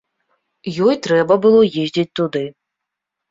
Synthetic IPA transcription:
jɔjt̪ɾɛbɐbɨlˠɔjezʲd͡zʲit͡sʲt̪ud̪ɨ

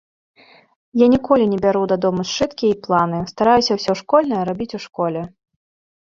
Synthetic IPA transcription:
janʲikɔlʲinʲɛbʲaɾud̪ad̪ɔmust͡ʂɨt̪kʲiɐiplˠanɨst̪aɾajusʲɐwsʲɔʂkɔlʲnɐjɐɾabʲit͡sʲuʂkɔlʲɛ

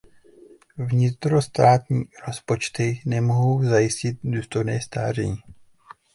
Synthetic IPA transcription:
vɲɪt̪ɾo̞st̪aːt̪ɲiːɾo̞spo̞t͡ʃt̪ɪnɛmoɦowzajɪscɪt̪̚duːst̪o̞jnɛːst̪a̰ːr̝ɛ̰ɲiː

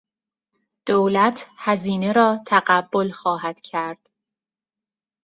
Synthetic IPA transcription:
d̪̥oːlæt̪ʰhæziːne̞ɾɒːt̪ʰæɣæbːo̞lxɒːhæd̪̥cʰæɾd̪̥

